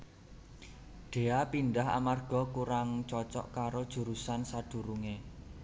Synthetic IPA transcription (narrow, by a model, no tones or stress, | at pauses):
ɖ̥e̤apinɖaɦa̰marɡ̥ɔ̤kuɾaŋt͡ʃɔt͡ʃɔ̰ʔkaɾod̥ʒ̥ṳɾusansad̪̥ṳɾuŋe